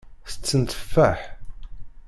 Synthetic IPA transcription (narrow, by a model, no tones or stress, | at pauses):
θə̥t͡sːənt̪ə̥fːæħ